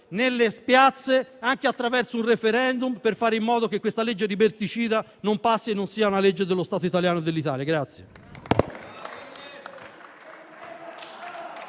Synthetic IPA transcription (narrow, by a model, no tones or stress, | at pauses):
nelːespjat̪sːeaŋk̟eat̪ːɾavɛrsounrefeɾɛnd̪umperfaːɾeimːɔːd̪ok̟ekːwest̪aled͡ʒːed̪ibert̪it͡ʃiːd̪a | nompasːienːonsiːaunaled͡ʒːed̪elːost̪aːt̪oit̪aljaːnod̪elːit̪aːljaɡɾat̪sːje